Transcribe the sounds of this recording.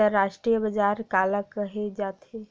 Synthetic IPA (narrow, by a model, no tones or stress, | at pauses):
əɾːaʃʈɾijəbəd͡ʒaːɾkaːləkəɦed͡ʒaːt̪ɦe